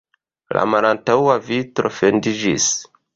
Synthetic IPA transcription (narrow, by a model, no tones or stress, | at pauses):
la̰malantawavitɾo̞fendid͡ʒis